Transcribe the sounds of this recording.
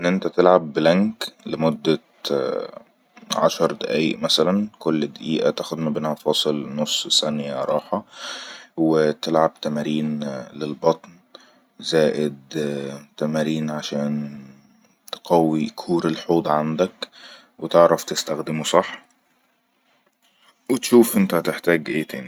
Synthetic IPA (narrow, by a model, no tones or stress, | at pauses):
ʔenːʔent̪æt̪elʕabːelæŋklemod̪ːæ | ʕa̰ʃɑɾˤd̪æʔæjiʔmæsælænkolːd̪æʔiːʔæt̪æxod̪mæbenhæfɑːsˤɨlnosˤsænjæɾˤɑːħɑ | wet̪elʕab̚t̪æmæɾiːnlelbɑt̪ˤn | zæːʔɪd̪t̪æmæːɾiːnʕaʃæːn | t̪e̥qɑwːikʰuːɾelħuːd̪ˤʕand̪æk | wet̪eʕɾɑft̪ɪst̪æxd̪ɪmusˤɑħː | wet̪ʃuːfʔent̪æht̪eħt̪æːɡʔeːt̪ʰæːni